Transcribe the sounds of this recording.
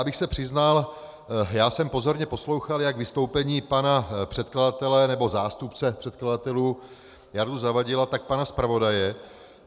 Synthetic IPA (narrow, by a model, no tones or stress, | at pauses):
bɪxsɛpr̝̥ɪznal | jaːsɛmpo̞zo̞ɾɲɛpo̞slo̞wxaljaɡvɪst̪o̞wpɛɲiːpanapr̝̥ɛt̪kladat̪ɛlɛnɛbo̞zaːst̪upt͡sɛpr̝̥ɛt̪kladat̪ɛluː | jaɾduzavaɟɪlat̪ak̚panaspɾavo̞dajɛ